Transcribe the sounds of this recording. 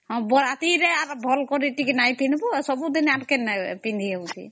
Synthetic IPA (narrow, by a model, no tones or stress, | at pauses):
hɔ̃bɔɾat̪iɾɛaɾbʱɔlkɔɾiʈikinajpinibusɔbud̪inaɾkɛnpind̪ʱiaut̪ḭ